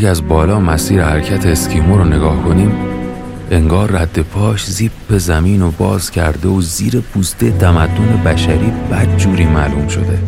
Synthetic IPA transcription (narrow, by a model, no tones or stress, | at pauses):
æzbɒːlɒːmæsiːɾehæɾcʰæt̪ʰeːscʰiːmoɾone̞ɡɒːhkʰoniːm | e̞ŋɡɒːrːæd̪̥ːe̞pʰɒːʃziːb̚be̞zæmiːnobɒːzcʰæɾd̪e̞oziːɾepʰuːst̪et̪ʰæmæd̪ːone̞bæʃæɾiːb̥æd̪̚d͡ʒuːɾiːmæluːmʃo̞̰d̪e̞